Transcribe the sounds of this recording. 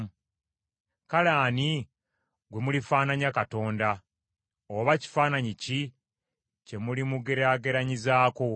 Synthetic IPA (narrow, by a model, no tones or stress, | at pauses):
kalaːni | ɡwe̞mulifaːnaɲakato̞ːnda | oβaci̥faːnaɲici | ce̞mulimuɡe̞ɾaɡe̞ɾaɲizaːko̞